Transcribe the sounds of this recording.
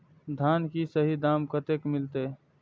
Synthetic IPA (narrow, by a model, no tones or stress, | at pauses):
d̪ʱaːnkisəɦid̪amkət̪ekmɪlt̪e